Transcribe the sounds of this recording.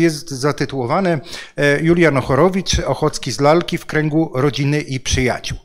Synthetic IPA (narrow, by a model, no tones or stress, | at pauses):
jɛst̪zat̪ɘt̪uwɔvanɛjulʲjanɔxɔɾɔvʲit͡ʂɔxɔt̪skʲizlalkʲifkɾɛŋɡuɾɔd͡ʑinɘʔipʂɘja̰t͡ɕuw